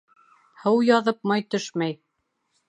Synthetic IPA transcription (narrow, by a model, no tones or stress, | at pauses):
hɤwjɑðɤp̚mɑjt̪ɵʃmæj